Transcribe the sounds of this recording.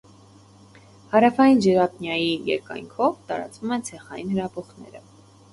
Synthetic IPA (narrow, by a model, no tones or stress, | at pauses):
hɑɾɑfɑjind͡ʒəɾɑpnjɑjijɛ̰ɾkɑ̰jŋkʰɔvt̪ɑɾɑ̰t͡svumɛnt͡sʰɛχɑjinhəɾɑpɔχnɛ̰ɾə